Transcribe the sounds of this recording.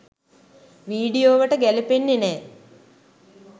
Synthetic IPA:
ʋiːɖijoːʋəʈəɡælipenːenɛː

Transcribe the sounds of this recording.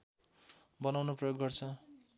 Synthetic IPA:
bʌnawnoprʌjoɡːʌrt͡sʰʌ

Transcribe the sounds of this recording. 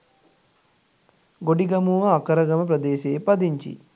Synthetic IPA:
ɡoɖiɡɐmuʋɐːkɐɾɐɡɐmɐp̬ɾɐd̪eːʃeːpɐd̪iɲt͡ʃḭ

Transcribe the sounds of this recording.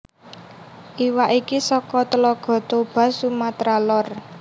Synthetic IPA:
ʔiwaʔikisɔkɔt̪əlɔɡ̥ɔ̤t̪ob̥ä̤sumat̪ɾalɔr

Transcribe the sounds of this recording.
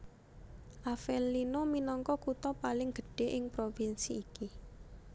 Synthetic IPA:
ʔafɛlːinominɔŋkɔkut̪ɔpalɪŋɡ̥ə̤̥ɖ̥e̤ʔɪŋpɾofinsiːki

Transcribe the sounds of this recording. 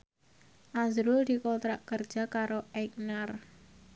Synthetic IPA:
ʔazɾuld̪̥i̤kot̪ɾaʔkər̥d͡ʒ̥a̤kaɾoɛk̚nar

